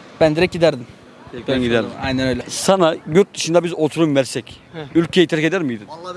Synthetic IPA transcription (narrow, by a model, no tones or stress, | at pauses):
b̥ænd̪iɾɛc̚ɟid̪æɾd̪im | ɛænɟid̪æɾd̪ajnɛnøjlʲɛsanaɟøɾt̪̚d̪ɯʃɯnd̪abizot̪ʰuɾumvɛɾsɛcylʲcʰeit̪ʰɛɾced̪æɾmijd̪in